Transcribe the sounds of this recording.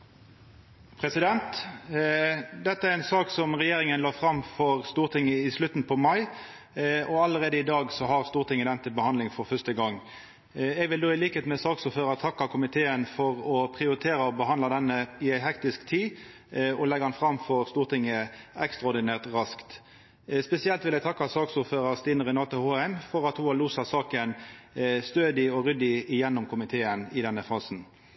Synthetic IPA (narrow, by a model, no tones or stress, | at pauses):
pʰɾɛsɪd̪ɛnt̪ | d̪ɛt̪ːəæɾɛnsɑːksɔmʁɛjeːɾɪŋənlɑːfɾɑmfɔʁst̪uːʁt̪ʰɪŋːəɪslʉt̪ːn̩pʰɔmɑɪ | ɔɑlːəɾeːd̪əɪd̪ɑːɡsɔɦɑʁst̪uːʁt̪ʰɪŋːəd̪ɛnət̪ʰɪlbəhɑnd̪lɪŋfɔɾfœst̪əɡɑŋː | ɛɡʋɪld̪oːɪliːkəheːt̪mɛsɑːksɔføːɾɑt̪ʰɑkːɑkʰʊmɪt̪ʰeːənfɔʁɔpʰʁɪʊɾɪt̪ʰeːɾəɔbəɦɑnd̪lɑd̪ɛnːəɪæɪɦɛkt̪ɪskt̪ʰiː | ɔlɛɡɑnfɾɑmfɔʁst̪uːʁt̪ɪŋːəɛkst̪ɾɑɔʁd̪ɪnæːʁt̪ʁɑskt̪ | spɛsɪɛlt̪ʋɪlɛɡt̪ʰɑkːɑsɑːksuːføːɾəʁst̪iːnəʁɛnɑːt̪əhoːæmfɔɾɑt̪hʊɑluːsɑsɑːkənst̪øːd̪ɪɔʁʏd̪ɪɪjɛnːɔmkʰʊmɪt̪ʰeːənɪd̪ɛnːəfɑːsn̩